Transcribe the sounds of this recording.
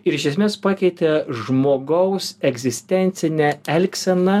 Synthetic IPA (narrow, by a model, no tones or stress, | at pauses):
ɪɾɪʃʲɛsʲmʲeːspɑːkʲɛɪt̪ʲɛʒmoːɡɐʊsɛɡzʲɪsʲt̪ʲɛnʲt̪sʲɪnʲɛɛlʲksʲɛnɐ